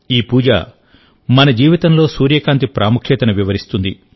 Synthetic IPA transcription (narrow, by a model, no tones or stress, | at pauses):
iːpuːd͡ʒa̰ | mɐnɐd͡ʒiːʋit̪ɐmlo̞ːsuːɾjɐkaːnt̪̬ipɾʔaːmukʰjɛːt̪ɐnɐʋiʋɐɾist̪und̪i